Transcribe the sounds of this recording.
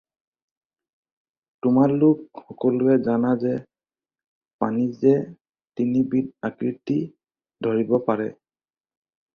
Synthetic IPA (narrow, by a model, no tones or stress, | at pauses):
tʊmaɹlʊkxɔkɔlʊɛzanazɛ | panizɛ | tinibid̚akɹiti | dʱoɹibɔpaɹɛ